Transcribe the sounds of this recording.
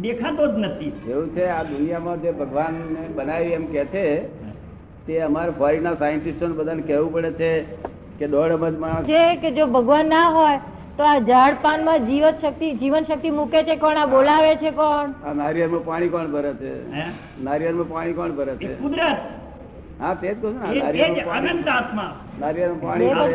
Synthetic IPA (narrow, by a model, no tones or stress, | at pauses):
d̪ekʰat̪od͡ʒ̪nət̪ʰieʋũt͡ʃʰead̪unijamãd͡ʒebʱəɡʋanebənaʋiemkɛt͡ʃʰe | t̪eəmaɾfʰəɾinasajənʈisʈonebəd̪ʱanekɛʋũpəɽet͡ʃʰe | ked̪ɔɽəməd͡ʒmããt͡ʃʰeked͡ʒobʱəɡʋanːaɦoj | t̪oad͡ʒaɽpanmãd͡ʒiʋət̪ʃək̚t̪id͡ʒiʋənʃək̚t̪imuket͡ʃʰekɔɳaɓolaʋet͡ʃʰekɔɳanaɾijəɾmãpaɽ̃ikɔɳbʱəɾet͡ʃʰḛ | naɾjəɾmãpaɽ̃ikɔɳbʱəɾet͡ʃḛkud̪ɾə | ɦat̪ed͡ʒkəʃunanaɾiəaemtãtmã | naɾijəɾmãpaɽ̃i